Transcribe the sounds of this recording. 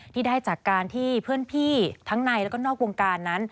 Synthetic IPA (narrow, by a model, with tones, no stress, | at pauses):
t̪ʰiː˥˩daː˥˩jt͡ɕaː˨˩kːaː˧nt̪ʰiː˥˩pʰɯ˥˩ənpʰiː˥˩t̪ʰa˦˥ŋna˧jlɛː˦˥kɔː˥˩nɔː˥˩k̚wo˧ŋkaː˧nːa˦˥n